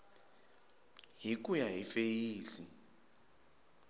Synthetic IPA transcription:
ɦik̬ʼujaɦifejiːsi

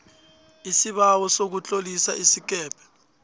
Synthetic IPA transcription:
isiɓawɔsok̬ut͡ɬʼolisa̰ʔisik̬ɛːpʰɛ̥

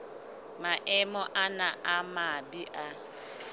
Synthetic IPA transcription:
maʔɛmɔʔanaʔamabiʔa

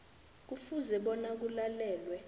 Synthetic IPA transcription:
k̬ufuzɛɓɔnak̬ulalɛːlwɛ

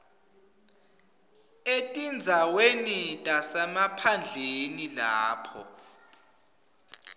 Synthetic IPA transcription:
etʼind͡zʱawenitʼasɛmapʰand͡ɮʱenilaːpʰɔ̰

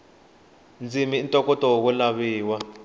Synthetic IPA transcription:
nd͡zimiːntʼɔkʼɔtʼɔk̬ulaβiːwa

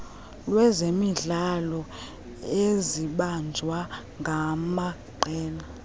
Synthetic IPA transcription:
lwɛzemiɮalɔ | eziɓand͡ʒʱwa | ŋɡʱama | ǃʱɛːna

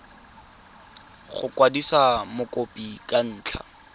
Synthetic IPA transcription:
χʊ̰kwadisamʊkʼopʼikʼan̩ːt͡ɬʰa̰

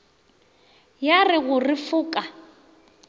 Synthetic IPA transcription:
jarɪɣʊrɪfʊːkʼa

